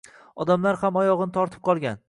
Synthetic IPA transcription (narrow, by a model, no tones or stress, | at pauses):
ɒd̪amlaɾhamɒjɒʁɨnɪt̪ʰɒɾt̪ʰɪ̥p̚qʰɒlˠɡʲan